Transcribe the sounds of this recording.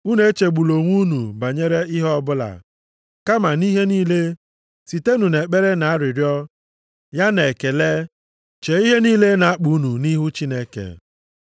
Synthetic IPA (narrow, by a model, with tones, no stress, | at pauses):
u˦ne˦t͡ʃe˨ɡ͡bu˨lo˨ŋʷu˦nu˨ba˨ɲe˦ɾe˦ɪ˦ɦɔ˦bʊ˦la̰˨ | ka˦ma˨ni˦ɦe˦niː˦le˦ | si˨te˦nu˨ne˨k͡pe˦ɾe˦na˨a˦ɾɪ˨ɾjɔ˦ | ja˦ne˨ke˨le˦ | t͡ʃe˨i˦ɦe˦niː˦le˦na˨a˦k͡pu˨˦nu˨ni˦ɦu˦t͡ʃi˦ne˦kḛ˨